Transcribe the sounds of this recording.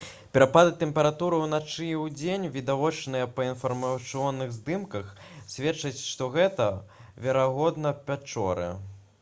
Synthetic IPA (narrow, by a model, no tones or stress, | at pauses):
pʲɛɾapad̪ɨt̪ɛmpʲɛɾat̪uɾɨwnat͡ʂɨiwd͡zʲenʲvʲid̪avɔt͡ʂnɨjɐpɐinfɐrmɐsɨɔnːɨɣzd̪ɨmkɐxsʲvʲɛt͡ʂːɐt͡sʲʂt̪ɔɣɛt̪ɐvʲɛɾaɣɔd̪nɐpʲat͡ʂɔ̰ɾɨ̰